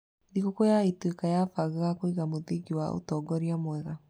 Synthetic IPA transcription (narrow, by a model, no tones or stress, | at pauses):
ðiɣokojaitwekajafaɣeɣakoiɣamoðeɡiwa̰o̰tɔɡɔɾiamwɛɣa